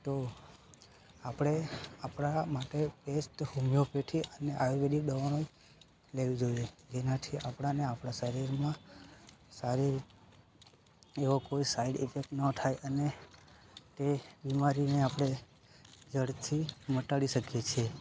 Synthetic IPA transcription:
t̪o | apɽ̃eapɽ̃amaʈepesʈhumjopeʈʰiʔəneʔajobeɗikɗəʋanoi | leʋid͡ʒojed͡ʒenat̪ʰiʔapɽ̃aneapɽ̃aʃəɾiɾmã | saɾiɾ | eʋokoisaiɖḭfʰek̚ʈnət̪ʰajʔəne | t̪ebimaɾineapɽ̃e | d͡ʒəɽt̪ʰiməʈaɽiʃəkjet͡ʃʰe

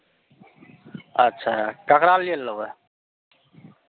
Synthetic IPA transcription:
ətːʃʰakəkɾaliəlːəwe

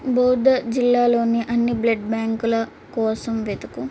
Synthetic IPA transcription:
boːd̪ɐd͡ʒilːaːlo̞ːniʔɐnːiblɐɖbjaːŋkulɐ | kɔːsɐmʋed̪uku

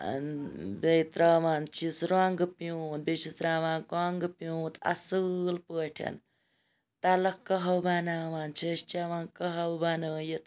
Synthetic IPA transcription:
nbejt̪ɾaːʋaːnt͡ʃʰisɾaŋɡɨpjunbet͡ʃʰist̪ɾaːʋaːnkaŋɡɨpjut̪ɐ̰sɨlpəːʈʰɐ̰n | t̪alɐkəɦɐwbanaːʋaːnt͡ʃʰəʃt͡ʃaʋaːnkəɦɐwbanəːjit̪

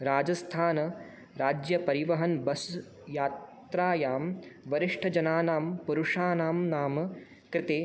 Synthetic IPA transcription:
ɾaːd͡ʒɐst̪ʰaːnɐ | ɾaːd͡ʒjɐpɐɾiʋɐɦɐnbɐs | jaːt̪ɾaːjaːmʋɐɾiʂʈʰɐd͡ʒɐnaːnaːmpuɾuʂaːnaːmnaːmɐ | kɾɪt̪eː

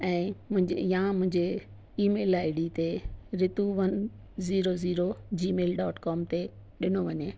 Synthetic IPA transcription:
ɛ̃ːmʊ̃ɦɪ̃eijãmʊ̃ɦɪ̃ɲd͡ʑe | iːmeːlaːɪɽit̪eɾɪt̪uʋɐn | ziːɾoziːɾod͡ʑiːmeːlɖɔːʈkɔːmt̪e | ɗɪnoʋɐɲeː

